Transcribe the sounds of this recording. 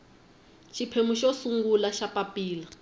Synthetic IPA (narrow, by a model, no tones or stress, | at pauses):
ʃʰipʰemuʃɔsuŋɡulaʃapapʼiːla